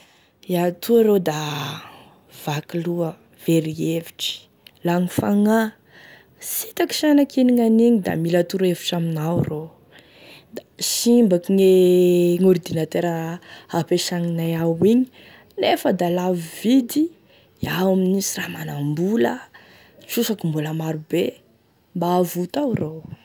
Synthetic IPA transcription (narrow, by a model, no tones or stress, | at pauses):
jat̪ʰuaɾod̪a | v̥akiluə | v̥eɾievi̥ʈ͡ʂi̥ | laŋifaŋa | sit̪aki̥ʃanakiniŋaniɲid̪a̰milat̪uɾeviʈ͡ʂaminawro | d̪aʃimbakiŋeŋuɾid̪inat̪eɾəhapeʃaŋinajawiɲi̥ | nefəd̪alavivid̪i | awaminisiramanambulə | susakimbuləmaɾube | mbaːvut̪awrow